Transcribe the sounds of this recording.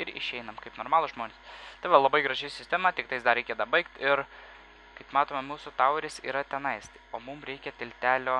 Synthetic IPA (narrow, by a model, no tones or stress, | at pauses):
ɪɾɪ̰ʃʲɛɪnɐmkɐɪpnoːɾmɑːlˠʊʒmoːnʲeːst̪ɐɪʋɐlˠɐbɐɪɡɾɐʒʲɛɪsʲɪsʲt̪ʲɛmɐt̪ʲɪkt̪ɐɪsd̪ɐɾɾʲɛɪkʲɛd̪ɐbɐɪkt̪ɪɾ | kɐɪpmɑːt̪oːmʲɛmuːsʊt̪ɐʊɾʲɪsḭːɾɐt̪ʲɛnɐɪst̪ɪoːmʊmɾʲɛɪkʲɛt̪ʲɪlʲt̪ʲæːlʲoː